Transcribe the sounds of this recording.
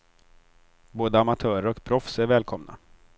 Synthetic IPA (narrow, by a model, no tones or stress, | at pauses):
boːd̪əamat̪ʰœːɾəɾɔkpʰɾɔfsæɾvɛːlkʰɔmna̰